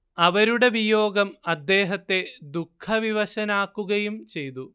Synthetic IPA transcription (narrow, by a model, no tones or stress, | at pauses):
ɐʋɐɾuɽe̞ʋijo̞ːɡɐmɐd̪ːe̞ːɦɐt̪ːe̞d̪ukʰːɐʋiʋɐɕɐnaːkːuɣɐjumt͡ɕe̞jt̪u